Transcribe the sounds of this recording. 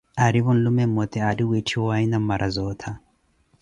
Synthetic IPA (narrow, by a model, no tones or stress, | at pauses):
aɾiβɔnlumɛmːɔt̪ɛadiwitʰiwɔainamːaɾʔazɔːt̪ʰa